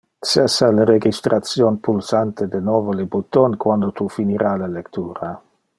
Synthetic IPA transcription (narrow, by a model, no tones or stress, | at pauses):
sɛsaleɾeɡist̪ɾat̪sjonpulsant̪ed̪enɔːvolebut̪onkwand̪ot̪ufiniɾalalekt̪uːɾa